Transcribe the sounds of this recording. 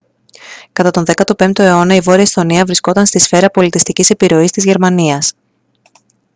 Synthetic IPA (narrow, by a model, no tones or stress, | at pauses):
kɐt̪ɐt̪o̞nðkɐt̪o̞pe̞nt̪oe̞o̞nɐivo̞ɾiɐist̪o̞niɐvɾisko̞t̪ɐnst̪isfe̞ɾɐpo̞lit̪ist̪icise̞piɾo̞ist̪izʝe̞ɾmɐniɐs